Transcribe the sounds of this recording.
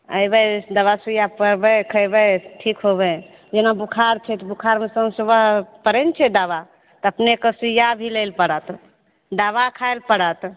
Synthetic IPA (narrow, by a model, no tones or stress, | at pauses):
əjbəd̪əβasujapəɾbɛkʰəjbəʈʰikɦobɛ | d͡ʒenabukʰaɾt͡ʃʰɛt̪bukʰaɾmesəmsubəɦpəɾɛnt͡ʃʰɛd̪aβa | t̪əpnekəsujabʱilelpəɽət̪ | d̪aβakʰajlpəɽət̪